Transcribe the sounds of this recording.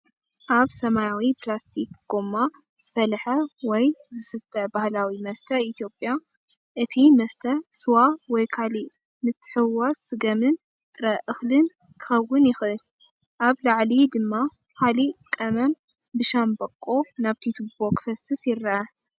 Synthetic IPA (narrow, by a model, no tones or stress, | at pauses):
ʔaβsɐmajawipʰlast̪ʰikɡ̥omːa | z̥ɨfɐlħɐwɔjzɨsɨt̪ʰːɐbahlawimɐst̪ʰɐit̪ʰjo̞pʼːja | ʔɨt̪ʰimɐst̪ʰɐsɨwawɔjkʰali | mɨt̪ʰːɨ̥ħɨwːasɨɡɐmɨn | t̪ʼɨɾɐʔɨxlɨn | kʰɨ̥xɐwːʊnjɪxʔɨl | ʔaβlaʕlid̪ɨmːa | kʰalikʼɐmɐm | bɨʃambɐkʼːo̞naβt̪ʰit̪ʰubokʰfɐsɨsjɪɾːɐʔɐ